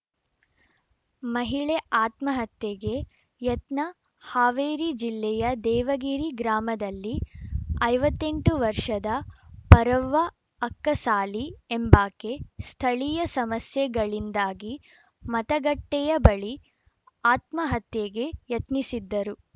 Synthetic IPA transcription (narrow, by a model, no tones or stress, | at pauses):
mɐɦiɭeʔaːt̪mɐɦɐt̪jeɡe̞ | jɐt̪nɐ | haːʋeːɾid͡ʒilːɛjɐd̪ɛːʋɐɡiːɾiɡɾaːmɐd̪ɐlːiɐjʋɐt̪ːe̞ɳʈuʋɐɾʂɐd̪ɐpɐɾɐʋːɐː | kːɐsaːliembaːkest̪ʰɐɭijɐsɐmɐsjɛɡɐɭind̪aːɡi | mɐt̪ɐɡɐʈːɛjɐbɐɭi | aːt̪mɐɦɐt̪jeɡe̞jɐt̪nisid̪ːɐɾu